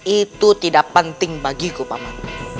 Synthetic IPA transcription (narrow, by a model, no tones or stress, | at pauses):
it̪ut̪idaʔpənt̪ɪŋbaɡikupa̰ma